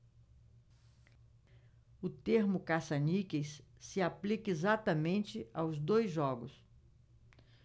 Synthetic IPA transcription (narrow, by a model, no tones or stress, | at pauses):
ʊt̪eɾmʊkasɐnikesːɪaplikɐezat̪ɐmẽnt͡ʃɪawzd̪ojzʒɔɡʊs